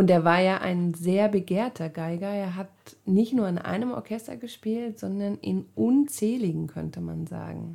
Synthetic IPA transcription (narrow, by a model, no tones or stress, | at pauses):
ʔʊnteːɐvaːɐjaːʔa̰ɪnzeːɐbəɡeːɐtʰɐɡaɪɡɐeːɐɦatnɪçtnuːɐɪnʔa̰ɪnəmʔɔ̰ɐkʰɛstɐ̰ɡəʃpiːltz̥ɔndɐnɪ̰nʔʊnt͡sɛːlɪɡŋ̩kʰœ̰ntəma̰nza̰ːɡŋ̩